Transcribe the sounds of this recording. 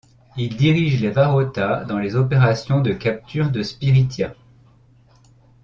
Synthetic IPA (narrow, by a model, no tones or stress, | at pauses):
ild̪iʁiʒlevaʁɔt̪ad̪ɑ̃lezɔpeʁasjɔ̃d̪əkap̚t̪yʁd̪əspiʁit̪ja